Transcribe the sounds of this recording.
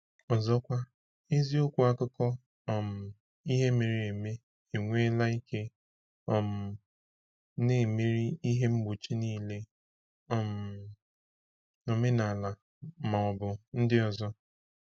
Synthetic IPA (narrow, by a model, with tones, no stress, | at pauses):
ɔ˨zɔ˦kʷa˦ | e˦zi˦o˦kʷu˦a˦kʊ˦kɔ˦˨ | m̩˨ | i˦ɦe˦me˨ɾi˨e˨me˦ | e˨ŋʷe˦la˦i˦ke˦ | ɔ˨m̩˨ | ne˦˨me˦ɾi˦i˦ɦe˦m̩˦ɡ͡bu˨t͡ʃi˦niː˦le˦ | ɔ˦m˨ | no˨me˦na˨la˨ | ma˨ɔ˨bʊ˨n̩˦dɪ˦ɔ˨zɔ˦